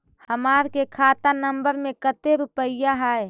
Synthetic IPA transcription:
həmaːɾkekʰaːt̪anəmbəɾmẽkət̪eɾupəɪjaɦɛe

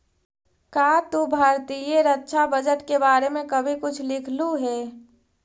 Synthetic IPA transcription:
kaːt̪ubʱaːɾt̪ijeɾətːʃʰabəd͡ʒəʈkebaːɾemẽkəbʱikʊt͡ʃʰlɪkʰluɦɛː

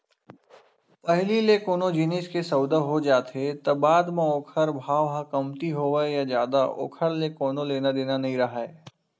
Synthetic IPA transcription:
pəɦlilekoːnod͡ʒiːnɪːskesɐʊd̪əɦod͡ʒaːt̪ɦet̪ɐbaːd̪mẽoːkʰəɾbʱaːʋɦãkɐmt̪iɦoːʋejad͡ʒjaːd̪aʔo̰ːkʰəɾlekoːnõleːnad̪eːnanɐɦĩɾɐɦaːeː

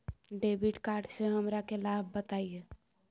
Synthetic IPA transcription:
ɖebiʈkaɾɖsẽɦəmɾakelabʱbət̪aje

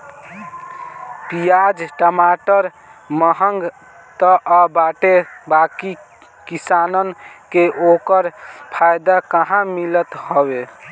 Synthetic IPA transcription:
pijad͡ʒʈəmaʈəɾ | məɦəŋɡ | t̪əʔabaʈebaki | kisanənkeʔokəɾpʰajd̪akəɦãmilət̪hɔbe

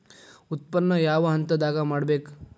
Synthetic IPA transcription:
ut̪̚pɐnːɐjaːʋɐɦɐnt̪ɐd̪aːɡɐmaːɽbeːk

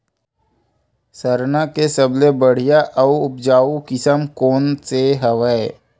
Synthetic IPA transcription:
səɾnakesəblebəɽ̤ijaʔəuʊp̚d͡ʒaːukɪsəmkoːnseɦəʋəe

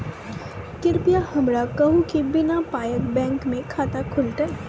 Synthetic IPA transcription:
kɪɾpijahɐmɾakɐɦukibɪnapaːjək̚bɛ̃ːŋkmẽkʰaːt̪akʰʊlʈɛ

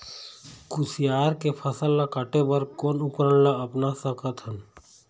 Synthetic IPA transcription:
kusijaːɾkepʰəsəlːakəʈebəɾkoːnʊkɾəɽlaɐpnasəkət̪ʰən

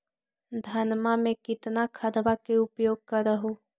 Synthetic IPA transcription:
d̪ʱɐnmamẽkɪt̪nakʰɐd̪ʋakeʊpjoːɡ̚kaɾəɦoː

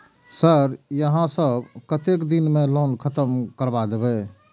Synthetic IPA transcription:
səɾjəɦãsəbkət̪ekd̪inmelonkʰət̪əmkəɾbad̪ebɛ

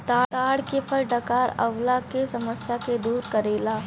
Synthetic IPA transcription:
t̪aːt̪aːɽkepʰəɾɖɐkaːɾɐ̰wlakesɐməsjaked̪uːɾkɐɾeːlaː

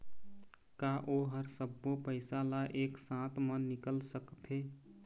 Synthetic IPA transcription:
kaʔoɦəɾsəbːopəɪsalaʔeksãt̪mənnːikəlsəkt̪ʰe

